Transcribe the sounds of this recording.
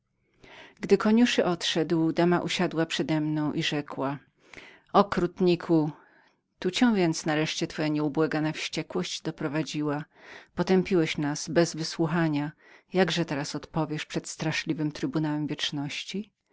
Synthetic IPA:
ɡd̪ɘkɔɲuʂɘʔɔt̪ʂɛd̪wd̪amaʔuɕad̪wapʂɛd̪ɛmnɔ̃w̃ʔiʐɛkwa | ɔkɾut̪ɲikʰu | t̪ut͡ɕɛ̃w̃vʲjɛnt̪snaɾɛʂt͡ɕɛt̪fɔjaɲɛubwɛɡanafɕt͡ɕɛkwɔɕd͡ʑd̪ɔpɾɔvad͡ʑiwa | pɔt̪ɛmpʲiwɛɕnasbɛzvɘswuxaɲa | jaɡʐɛt̪ɛɾasɔt̪pɔvʲjɛʂpʂɛt̪st̪ɾaʂlʲivɘmt̪ɾɘbunawɛmvʲjɛt͡ʂnɔɕt͡ɕi

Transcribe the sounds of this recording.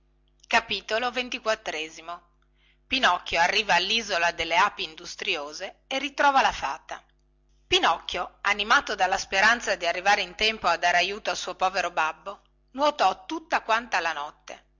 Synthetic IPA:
kapiːt̪olovent̪ikwat̪ːɾɛːzimo | pinɔkːjoarːiːvaːlːizolad̪elːeapiːnd̪ust̪ɾjoːzeerːit̪ɾɔːvalafaːt̪a | pinɔkːjoanimaːt̪od̪alːaspeɾant̪sad̪iarːivaːɾeint̪ɛmpoad̪ːaːɾeajuːt̪oasuːopɔːveɾobabːo | nwot̪ɔt̪ːut̪ːakwant̪alanɔt̪ːḛ

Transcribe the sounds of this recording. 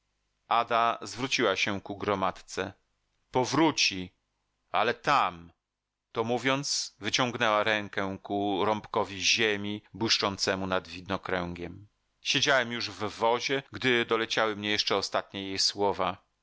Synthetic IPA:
ʔad̪azvɾut͡ɕiwaɕɛkuɡɾɔmat̪t̪sɛ | pɔvɾut͡ɕi | alɛt̪am | t̪ɔmuvʲjɔnt̪svɘt͡ɕɔ̃ŋɡnɛwaɾɛŋkɛkuɾɔmpkɔvʲiʑemʲibwɘʂt͡ʂɔnt̪sɛmunad̪vʲid̪nɔkɾɛŋɡʲɛm | ɕed͡ʑawɛmjuʐvvɔʑɛɡd̪ɘd̪ɔlɛt͡ɕawɘmɲɛjɛʂt͡ʂɛɔst̪at̪̚ɲɛjejswɔva

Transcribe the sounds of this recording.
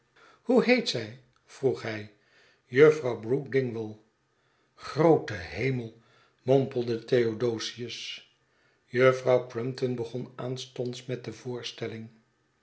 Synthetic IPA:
huɦejtsɛj | v̥ruχɦɛj | jəfrɑwbrukdɪŋʋɪlˠ | χrowtəɦejməlˠ | mompəlˠdəteodowsiəs | jəfrɑwkɹɪmtɔnbəχɔnaːnstɔntsmɛt̚dəvʊːɹstɛlɪŋ

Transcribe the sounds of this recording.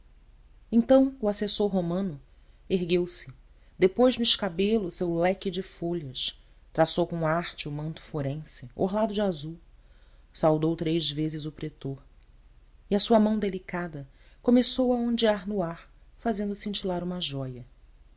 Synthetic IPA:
ẽñt̪ɐ̃w̃ʊasesoɾɦomɐ̃nʊ | eɦɡewsɪ | d̪epojʒnʊɪʃkabelʊsewlɛkɪd͡ʒɪfoʎɐʃ | t̪ɾasowkõaɾt͡ʃɪʊmɐ̃nt̪ʊ̥foɾẽsɪo̰ɦlad̪ʊd͡ʒɪazuw | sawd̪owt̪ɾejzvezɪzʊpɾet̪oɾ | iɐsuɐmɐ̃w̃d̪elikad̪ɐ | komesowɐõnd͡ʒiaɾnʊaɾfazẽnd̪ʊsĩnt͡ʃilaɾũmɐʒɔjɐ

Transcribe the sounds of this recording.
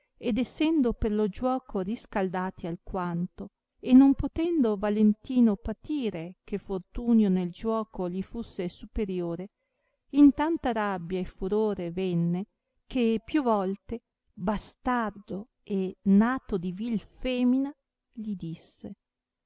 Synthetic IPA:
ed̪esːɛnd̪operlod͡ʒwɔːkʰoriskald̪aːt̪ialkwant̪o | enːompot̪ɛnd̪ovalent̪iːnopat̪iːɾekefort̪uːnjoneld͡ʒwɔːkoʎifusːesupeɾjoːɾe | int̪ant̪aɾabːjaefːuɾoːɾevɛnːe | kʰepjuvɔlt̪e | bast̪ard̪o | enaːt̪od̪ivilfɛːmina | ʎid̪isːe

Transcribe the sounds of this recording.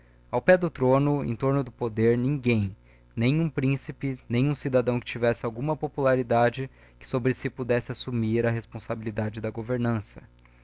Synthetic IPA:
awpɛd̪ʊt̪ɾõnʊḛ̃t̪oɾnʊd̪ʊpod̪eɾnĩŋɡẽj̃ | nẽj̃ũpɾĩsipɪnẽj̃ũsid̪ad̪ɐ̃w̃kɪ̥t͡ʃivɛsɪawɡũmɐpopulaɾid̪ad͡ʒɪ | kɪ̥sobɾɪsɪpud̪ɛsɪasumiɾɐɦespõsabilid̪ad͡ʒɪd̪ɐɡoveɾnɐ̃sɐ̥

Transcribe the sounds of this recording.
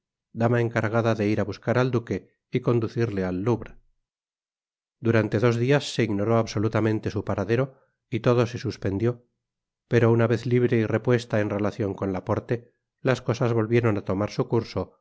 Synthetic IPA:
d̪amae̞ŋkaɾɣaðaðe̞iɾaβuskaɾald̪uke̞ | iko̞nd̪uθiɾle̞alːuβɾa | d̪uɾant̪e̞ðo̞zðiasːe̞iɣno̞ɾo̞aβso̞lut̪amẽ̞nt̪e̞supaɾaðe̞ɾo̞ | it̪oðo̞se̞suspe̞nd̪jo̞ | pe̞ɾo̞unaβe̞θliβɾe̞ire̞pwe̞st̪ae̞nre̞laθjo̞ŋko̞nlapo̞ɾt̪e̞ | lasko̞sazβo̞lβje̞ɾo̞nat̪o̞maɾsukuɾso̞

